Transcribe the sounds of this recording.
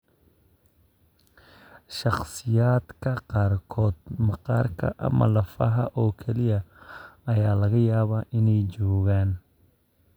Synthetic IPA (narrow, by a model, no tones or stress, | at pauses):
ʃɑχsɪjaːd̪kʰɐqɑːrkʰɔːd̪mɑqɑːrkʰɐ̰ʔɐ̰mɐ̰lɐfɐ̰ɦɐʔɔːkʰɛlɪjɐɐjaːlɐɣɐjaːβaʔɪnɛjt͡ʃɔːɣaːn